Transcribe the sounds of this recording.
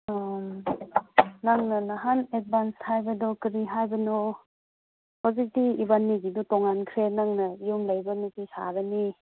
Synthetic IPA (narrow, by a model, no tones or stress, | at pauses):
naŋnɐnaɦanet̚banshajbɐdɔkiɾiɦajbɐnɔ | hozik̚diːbanːiɡidutɔŋankʰɾenaŋnɐijumlajbɐnutisa̰ɾəni